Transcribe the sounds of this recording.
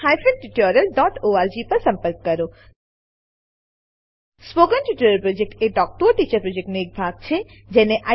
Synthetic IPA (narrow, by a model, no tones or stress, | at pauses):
hajfənʈiʈoɾəlɖɔːʈoaɾd͡ʒipəɾsɐ̃mpəɾkːəɾo | spoɡənʈiʈoɾəlpɾod͡ʒek̚ʈeɖɔːk̚ʈuʈit͡ʃəɾpɾod͡ʒek̚ʈneek̚bʱaɡ̚t͡ʃʰe | d͡ʒeneʔa